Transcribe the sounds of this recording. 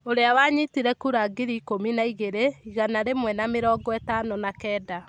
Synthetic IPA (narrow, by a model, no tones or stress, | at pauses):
oɾeawaɲitiɾɛkuɾaɡiɾiːkominaiɣeɾeiɣanaɾemwɛnameɾɔːɡɔɛtaːnɔnakɛːda